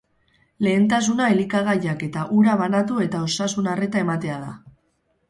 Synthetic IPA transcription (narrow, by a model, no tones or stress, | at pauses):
le̞ːnt̪as̬unaelikaɣ̞ajake̞t̪aʔuɾaβanat̪ue̞t̪ao̞sasunare̞t̪ae̞mat̪e̞að̞a̰